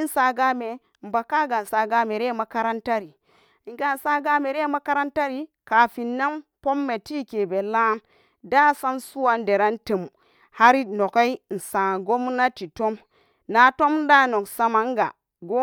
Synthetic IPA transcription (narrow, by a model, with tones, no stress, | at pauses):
n̩˦sa˨ɡa˦me˨ | m̩˨ba˨ka˦ɡa˨n̩˨sa˨ɡa˦me˨ɾe˦ma˨ka˦ɾa˦nta˦ɾi˨ | ŋ˨ɡa˨n̩˨sa˦ɡa˦me˨ɾe˦ma˦ka˦ɾa˦nta˦ɾi˨ka˨fi˨nːa˦mpo˦mːe˨ti˦ke˨be˨la˦n | da˦sa˦nsu˦wa˨n˦de˨ɾa˦ntə˨m | ha˦ɾi˦no˨ka˦i˦n̩˨sa˨ɡo˦m˦na˦ti˨to˦m | na˨to˦m˦da˦no˨ksa˦ma˨ŋ˦ɡa˨ | ɡo˦